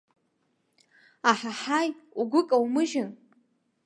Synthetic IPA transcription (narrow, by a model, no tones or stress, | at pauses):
aħaħajuɡʷʊkʼawmɨʒɪn